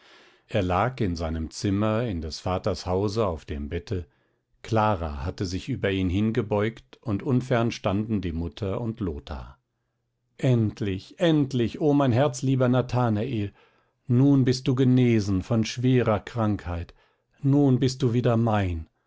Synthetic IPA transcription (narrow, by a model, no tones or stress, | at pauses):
ʔeːɐlaːkɪnzaɪnəmt͡sɪmɐɪndɛsfaːtɐshaʊzəaʊfd̥ḛːmbɛtʰə | kʰl̥aːʁa̰hatəzɪçʔyːbɐiːnɦɪnɡəbɔʏktʊntʔʊnfɛɐnʃtandn̩diːmʊtʰɐʊntʰloːtʰa̰ | ʔɛntʰlɪçʔɛntlɪçoːmaɪnɦɛɐt͡sliːbɐnatʰaːnaʔeːl | nuːnbɪst̚d̥uːɡəneːzn̩fɔnʃv̥eːʁɐkʁ̥aŋkhaɪt | nuːnbɪst̚d̥uːviːdɐmaɪn